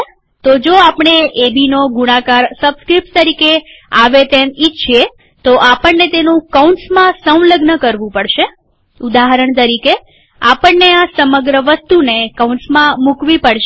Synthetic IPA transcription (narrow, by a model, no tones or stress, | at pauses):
t̪od͡ʒoapɳ̃eebinoɡuɽ̃ãkaɾsəbskɾip̚ʈt̪əɾikeaʋet̪emitt͡ʃʰie | t̪oʔapəɳnet̪enũkaunsmãsə̃w̃ləɡnəkəɾʋũpəɽʃe | ud̪aɦəɾəɳt̪əɾike | apəɳːeasəməɡɾəʋəst̪unekaunsmãmukʋipəɽʃ